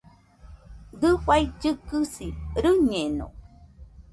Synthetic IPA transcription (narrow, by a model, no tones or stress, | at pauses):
d̪ɨɸajd͡ʒɨkɨsiɾɨɲenõ̰